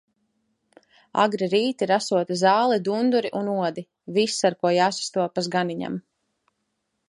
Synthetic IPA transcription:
a̰ɡɾiɾiːt̪iɾasuɔt̪izaːlˠɛd̪und̪uɾiʔunuɔd̪i | visːaɾkuɔjaːsḁst̪uɔpazɡaniɲa̰m

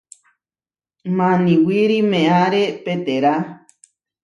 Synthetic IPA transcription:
mãnĩwiɾimẽãɾepet̪eɾa

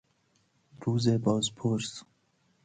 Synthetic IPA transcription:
ɾuːzeːbɔːzpʰoːɾs

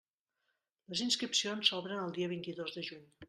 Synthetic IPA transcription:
ləzinskɾipsionsɔβɾənəlˠd̪iəβ̞int̪iðozðəʒuɲ

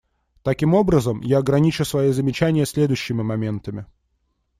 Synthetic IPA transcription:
t̪ɐkʲimo̞bɾəzəmjaɐɡɾɐnʲit͡ɕʊsvɐjizəmʲɪt͡ɕænʲɪjəsʲlʲe̞d̪ʊjɕːɪmʲɪmɐmʲe̞nt̪əmʲɪ

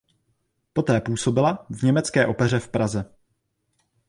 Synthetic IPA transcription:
po̞t̪ɛːpuːso̞bɪlavɲɛmɛt͡skɛːʔo̞pɛr̝ɛfpɾazɛ

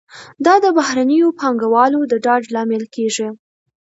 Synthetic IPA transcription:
d̪ɑd̪əbahɾanəjopɑŋɡawɑlod̪əɖɑɖlɑmɪlkeʐi

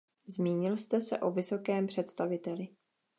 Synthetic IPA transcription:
zmiːɲɪlst̪ɛsɛ̰ʔo̞vɪso̞kɛːmpr̝̥ɛt̪st̪avɪt̪ɛlɪ

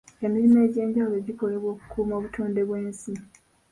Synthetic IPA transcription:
emːiɾime̞ːɟe̞ːɲɟawuloeɟiko̞le̞βo̞ːku̥kʰuːmo̞ːβutʰoːnde̞βwe̞ːnsi

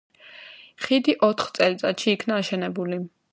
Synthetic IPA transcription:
χid̪iʔɔt̪ʰχt̪sʼɛlit̪sʼat̪ʃiːkʰnaːʃɛnɛbuli

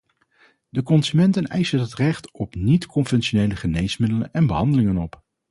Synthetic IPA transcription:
dəkɔnzymɛntənɛjsənɦətrɛχtɔpnitkɔnvɛnʃonejləχənejsmɪdələnɛnbəɦɑndəlɪŋənɔp

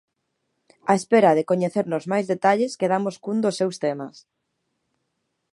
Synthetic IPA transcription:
ɐespeɾɐðɪkoɲeθeɾnozmajzðet̪aʎeskeðamoskund̪osewst̪emɐs

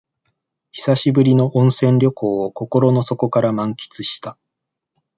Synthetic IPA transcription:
çi̥saɕibɯ̟ɾʲino̞ʔõɰ̃sẽ̞nɾʲo̞kʰo̞ːoko̞ko̞ɾo̞no̞so̞ko̞kaɾamãŋkʲi̥t͡sɨɕi̥t̪a

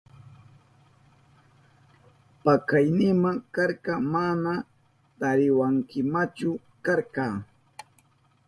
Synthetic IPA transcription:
pakajnɪmaŋkɑɾqɑmana | t̪aɾɪwaŋkɪmat͡ʃʊ | kaɾqɑː

